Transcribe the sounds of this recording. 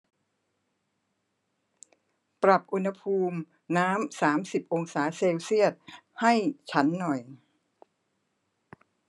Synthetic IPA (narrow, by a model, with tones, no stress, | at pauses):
pɾa˨˩p̚ʔu˧nha˧pʰuː˧m | naː˦˥msaː˩˦msi˨˩p̚ʔo˧ŋsaː˩˦seː˧wsi˥˩ət̪̚ha˥˩jt͡ɕʰa˦˥nːɔ˨˩j